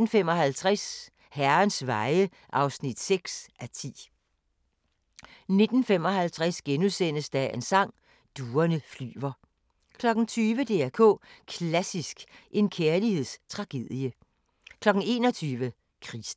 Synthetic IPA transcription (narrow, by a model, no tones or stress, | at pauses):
n̩fem̰ɒ̽ɦælt͡sʰʁas | hæɐnsʋɑ̈ɪə | ʔɑ̈ʊsnid̥seɡ̥sʔæt͡sʰḭː | ne̝d̥n̩fem̰ɒ̽ɦælt͡sʰʁæsɡ̥enusen̰əsd̥æensɑ̈ŋ̰ | d̥uːɐnəfly̰ːʋɐ | kʰlɒ̽ɡ̥n̩t͡sʰyːʋəd̥e̝̰ːækʰɔ̰̽ːkʰlæsisɡ̥ʔe̝nkʰeɐlihe̝ð̞̰ˠst͡sʰʁɑ̈ɡ̥e̝ð̰ˠiə | kʰlɒ̽ɡ̥n̩e̝ːnɒ̽t͡sʰyːʋə | kʰʁis